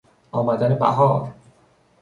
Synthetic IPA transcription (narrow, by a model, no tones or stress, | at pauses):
ʔɒːmæd̪ænebæ̰ɦɒːɾ